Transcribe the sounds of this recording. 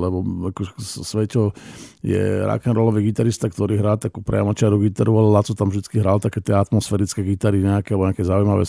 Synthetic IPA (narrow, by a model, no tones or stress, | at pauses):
lɛbɔakɔɛssʋɛcɔjɛ̰ɾa̰kɛnɾɔlɔʋiɡit̪aɾist̪akt̪ɔɾiːɦɾaːt̪akupɾɛ̰a̰mat͡ʃɪaɾuɡit̪aɾualɛlat͡sɔt̪amvd̪it͡skiɦɾalt̪akɛːt̪ɪɛat̪mɔsfɛːɾit͡skɛɡit̪aɾiɲɛakɛalbɔɲɛakɛzaujmaʋɛ̰